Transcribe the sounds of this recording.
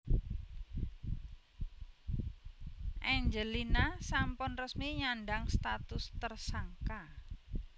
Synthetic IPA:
ʔaɲd͡ʒəlinasampʊnrəsmiɲanɖaŋst̪at̪ʊst̪ərsaŋka

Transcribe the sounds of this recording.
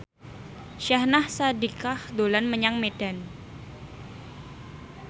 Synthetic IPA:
ʃahnahsadikahdolanməɲaŋmed̥an

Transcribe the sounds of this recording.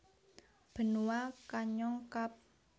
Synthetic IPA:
b̥ə̤nuwakaɲɔŋkap̚

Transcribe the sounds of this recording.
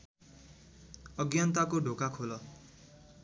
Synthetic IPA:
ʌɡjant̪akoɖʱokakʰolʌ

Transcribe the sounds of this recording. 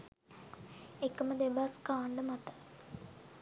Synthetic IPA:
ekːəməd̪ebaskaːɳɖəmat̪ə̥

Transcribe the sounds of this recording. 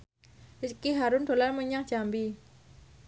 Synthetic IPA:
ʔiskiɦaɾʊnd̪̥o̤larməɲaŋdʒ̥ambi

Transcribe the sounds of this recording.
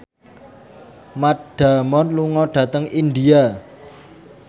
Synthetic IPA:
maɖ̥a̤mɔnluŋɔɖ̥ä̤t̪əŋind̪ia

